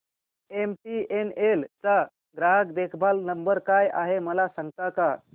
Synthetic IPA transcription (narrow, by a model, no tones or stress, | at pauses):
emʈienelt͡sa | ɡɾaɦəkd̪ekʰbalnəmbəɾkaja̰ɦeməlasaŋɡ̚t̪aka